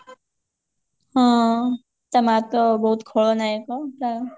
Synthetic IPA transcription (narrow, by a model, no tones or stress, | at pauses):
ɦã | t̪amat̪obəɦut̪kʰoɭonaekota